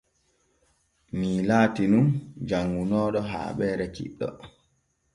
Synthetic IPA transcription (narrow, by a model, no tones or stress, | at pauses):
miːlaːtinund͡ʒaŋɡunɔːɗɔɦa̰ːɓɛːɾɛt͡ʃḭɗːɔ̰